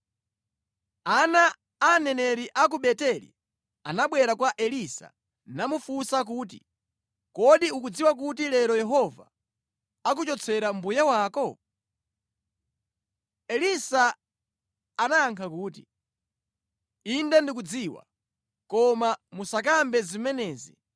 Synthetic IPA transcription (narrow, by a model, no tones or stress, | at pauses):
anaː | nɛnɛɾiʔak̬uɓɛtɛlḭ | anaɓwɛɾakwaʔɛlisa̰ | namufusak̬uːtḭ | kɔɗiukud͡ziwak̬ut̬ilɛɾɔjɛɦɔva̰ | ak̬ut͡ʃɔt͡sʰɛɾambujawaːkɔ | ɛlisa | naaŋkʰakuːt̬i | indɛndik̬ud͡ziːwa̰ | kɔmamusak̬ambɛzimɛnɛːzḭ